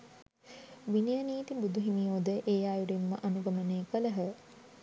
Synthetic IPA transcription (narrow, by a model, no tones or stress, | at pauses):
ʋinijəniːt̪ibud̪uɦinijoːd̪əʔeːjaːjuɾimːə̰ʔanuɡɐməneːkələɦə